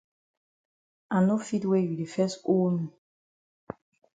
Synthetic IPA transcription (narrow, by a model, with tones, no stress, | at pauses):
ã˨no˦fi˦twe˦ju˨de˨fɛ˦so˦mĩ˨